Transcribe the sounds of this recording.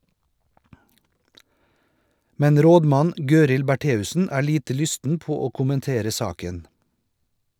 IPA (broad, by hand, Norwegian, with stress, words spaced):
ˈmɛn ˈɾoːdˌmɑn ˈɡøːɾɪl bæˈʈeːʉsn̩ ˈæː ˈɭiːtə ˈlʏstn̩ ˈpoː ˈoː kʊmənˈteːɾə ˈsɑːkən